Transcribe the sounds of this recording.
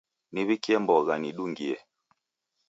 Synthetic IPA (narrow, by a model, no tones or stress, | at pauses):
niβikiɛmbɔɣaniɗuŋɡiɛ